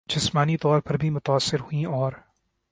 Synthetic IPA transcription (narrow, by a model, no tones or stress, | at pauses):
d͡ʒɪsmaːnit̪ɔːɾpɐɾbʱimʊt̪aːsːɪɾhuĩɔːɾ